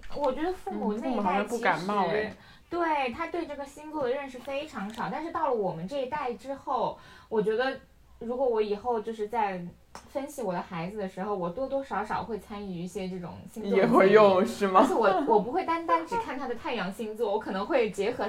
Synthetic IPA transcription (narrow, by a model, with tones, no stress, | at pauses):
wɔ˨˩t͡ɕɥɛ˧˥d̪ə˧fu˥˩mmu˨˩˦n˥˧˩a˥˩˥pu˥˩ka˨˩nmɑ˥˧ʊ˥ | t̪we˥˩ɪt̪ʰa˥t̪we˥˧ɪʈ͡ʂɤ˥˩ə˩ɕi˥nt͡swɔ˥˩d̪ə˩ɻə˥˧nʂ̬ɻ̩˥˩fe˥ɪʈ͡ʂʰɑ˧˥ŋʂɑ˨˩ʊt̪a˥˧nʂɻ̩˥˧t̪ɑ˥˩lə˩wɔ˨˩mə˦nʈ͡ʂɤ˥˩i˧˥t̪a˥˩ɪʈ͡ʂɻ̩˥xo˥˩ʊwɔ˨˩t͡ɕɥɛ˧˥d̪ə˧ | ɻu˧˥kwɔ˧˥wɔ˧˥i˨˩xo˥˧ʊt͡ɕjo˥˧ʊʂ̬ɻ̩˥˧t͡sa˥˩ɪ | fə˥nɕʰi˧˥wɔ˨˩d̪ə˦xa˧˥ɪd͡zɹ̩˧˩d̪ə˩ʂɻ̩˧˥xo˥˧ʊwɔ˨˩t̪wɔ˥t̪wɔ˥ʂɑ˧˥ʊʂɑ˨˩ʊxwe˥˩ɪt͡sʰa˥ni˥˧˩i˥˩ɕjɛ˥ʈ͡ʂɤ˥˩ʈ͡ʂʊ̰˨˩ŋɕi˥ŋjɛ˨˩xwe˥˧ɪjʊ˥˧ŋʂɻ̩˥˩mɐ˨ʂ̩˥˩wɔ˨˩wɔ˨˩p̬u˧˥xwe˥˩ɪt̪a˥nt̪a˥nʈ͡ʂɻ̩˨˥kʰa˥˩nt̪ʰa˥d̪ə˨t̪ʰa˥˩ɪjɑ˧˥ŋɕi˥ŋt͡su˥˩wɔ˧˥kʰɤ˨˩nɤ˧˥ŋxwe˥˩ɪt͡ɕjɛ˧˥xɤ˧˥